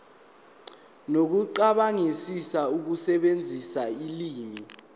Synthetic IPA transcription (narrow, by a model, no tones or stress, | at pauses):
nok̬uǃaɓaŋisisauk̬usɛɓend͡zʱisailiːmi